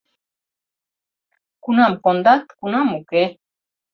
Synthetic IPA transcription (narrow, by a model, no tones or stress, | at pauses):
kunamkond̪at̪kunamuke